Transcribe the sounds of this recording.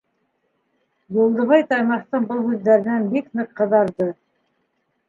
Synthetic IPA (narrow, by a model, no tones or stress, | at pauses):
jŭlˠd̪ɤ̆βɑjt̪ɑjmɑχt̪ɤɴbɤlˠhʉðːæɾɘ̆nænbiknɤqːɤ̆ðɑɾðɤ